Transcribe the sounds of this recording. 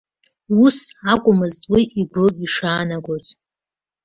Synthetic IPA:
usakʷʼʊmɨztʼwiʔiɡʷʊiʂaːnaɡʷotʼ

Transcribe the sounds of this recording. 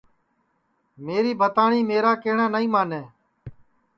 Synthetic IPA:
meːɾiːbʱət̪aːɳiːmeːɾaːkeːɳãːnəĩːmaːneː

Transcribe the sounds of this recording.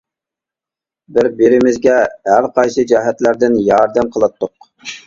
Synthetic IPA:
bɪɾbɪɾɪmɪzɡʲɛhæɾqʰɑjsɨd͡ʒɛɦɛt̪læɾd̪ɪnjɑɾd̪ɛmqʰəlˠɑt̪ːʊq̚

